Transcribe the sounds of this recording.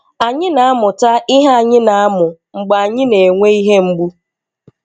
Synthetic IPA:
a˨ɲɪ˦na˨a˦mʊ˨ta˦ʔɪ˦ɦa˦a˨ɲɪ˦na˨a˦mʊ˨ŋ͡m̩˨ɡ͡ba˨a˨ɲɪ˦ne˨ŋʷe˦i˦ɦe˦ŋ͡m̩˦ɡ͡bu˦

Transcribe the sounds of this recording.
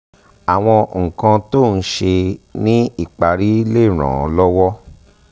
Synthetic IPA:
a˨w̃ɔ̃˧ŋ̩˨kã˧to˦˨n̩˦ʃe˧nĩ˦i˦˨k͡pa˨ɾi˦le˦˨ɾ̃ã̰˨ɔ˨˧lɔ˦wɔ˦

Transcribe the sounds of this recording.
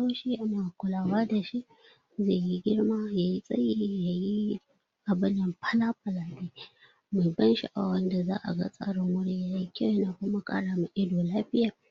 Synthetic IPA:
a˦ʃi˦ja˦naː˨kʷʊ˦laː˦˨waː˦da˨ʃi˦ʔ | ze˦˨ji˦ɡʲɪ˦ɽmaː˦jaː˨ji˦sʼɐ̰˦jiː˦ja˨ji˦ | ʔa˨bɪ˦njɪ˨mɸʰa˦laː˦ɸɐ˨laː˨te˦ | ma˨bɐ˦nʃi˦ʔa̰˨wɐ˦nda˨zaː˦ʔa̰˨ɡa̰˦sʼa̰ː˦ɽɪ˨ŋwʊ˦ɽi˦jaː˨ji˦kʲa˦ja˦naː˨kʊ˦ma˨kʼa̰ː˦ɽaː˨mu˦ʔɪ˦doː˨laː˦ɸɪ˦jaː˨

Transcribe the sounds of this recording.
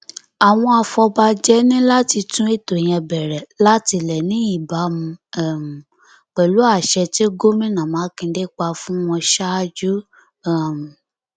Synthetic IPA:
a˨w̃ɔ̃˧a˧fɔ˧ba˧d͡ʒɛ˦nĩ˦la˦ti˧tũ˦e˦˨to˨j̃ɛ̃˧bɛ˨ɾɛ˨la˦ti˧lɛ˨nĩ˦i˦˨ba˨˦mũ˧ɛ˨ | k͡pɛ˨lu˨˦a˦˨ʃɛ˧ti˦ɡo˦mĩ˦nã˨mã˨˦kĩ˧de˦k͡pa˧fũ˦w̃ɔ̃˧ʃa˦d͡ʒu˦ | a˦˨m˨

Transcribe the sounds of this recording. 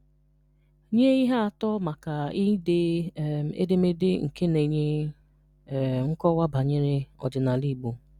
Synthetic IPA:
ɲe˦i˦ɦa˦a˨tɔ˦ma˨ka˨i˦de˦˨ | ḛ˦de˦me˦dɪ˦ŋ̩˨ke˦ne˨ɲe˦˨ | ŋ̩˦kɔ˦wa˦ba˨ɲe˦ɾɪ˦ɔ̰˨d͡ʒɪ˨na˨li˦˨ɡ͡bu˨

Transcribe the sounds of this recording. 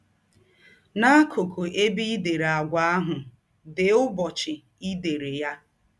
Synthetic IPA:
na˦kʰo˨kʰo˨ʔe˦bi˦de˨ɾa˨ɡʷa˨a˦ɦʊ˨ | dɪ˨ʊ˦bɔ˨t͡ʃɪ˨ | i˦de˨ɾe˨ja˦

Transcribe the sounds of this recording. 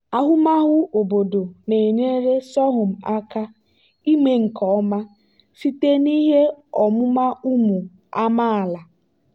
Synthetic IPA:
a˦ɦʊ˦ma˦ɦʊ˦ʔo˨bo˨do˨ne˨ɲe˦ɾe˦sɔ˦ɦʊ˨m̩˨a˦ka˦ | i˦me˦ŋ̩˨kɔ˨ɔ˦ma˦ | si˦te˦ni˦ɦe˦ɔ˨mʊ˦ma˦u˦mu˨ | a˦ma˦a˨la˨

